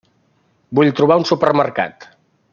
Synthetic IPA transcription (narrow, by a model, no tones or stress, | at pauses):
buʎt̪ɾuβ̞aunsupərmərka̰t̪